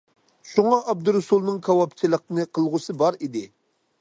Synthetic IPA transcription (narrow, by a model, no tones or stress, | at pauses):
ʃuŋɑʔɑb̚d̪uɾɨsulˠnɨŋkʰɑwɑp̚t͡ʃʰilˠəq̚nɨqʰəlˠʁʊsɨbɑɾid̪ɪ